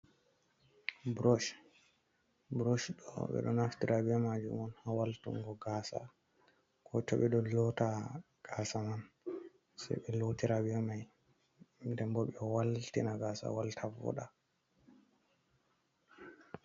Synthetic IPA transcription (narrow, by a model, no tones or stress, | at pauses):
bɾoʃ | bɾoʃɗɔ̰ɓɛ̰ɗɔ̰naftiɾʔabɛɛmad͡ʒṵmɔnhawaltṵŋɡɔɡaːsa̰ | kʰɔtɔɓɛɗɔlɔta | ɡ̥asaman | sa̰jɓɛlotiɾabɛɛmaj | ndɛmbɔɓɛwaltinaɡaːsa̰waltʰavɔ̰ɗa